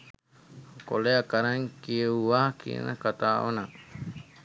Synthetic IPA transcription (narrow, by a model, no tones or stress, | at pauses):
koleakaɾaŋkiuakḭna̰kat̪ao̰na